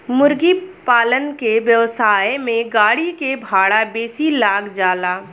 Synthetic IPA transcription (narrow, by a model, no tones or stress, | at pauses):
mʊɾɡipaːlənkeʋjəʋsaːjmẽɡaːɽikebʱaːɽabeːsilaːɡd͡ʒaːlaː